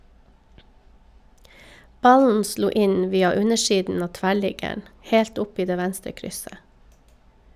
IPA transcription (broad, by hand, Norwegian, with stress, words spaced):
ˈbɑln̩ ˈsluː ˈɪn ˈʋiːɑ ˈʉɲəˌʃiːdn̩ ˈɑː ˈtʋæˌɭɪɡəɳ ˈheːlt ˈʊp ˈiː ˈdeː ˈʋænstɾə ˈkɾʏsə